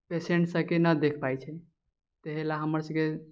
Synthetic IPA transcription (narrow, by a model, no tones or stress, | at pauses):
pesẽɳʈsəkenəd̪ekʰpajt͡ʃʰɛ | t̪eɦelaɦəməɾsəɡe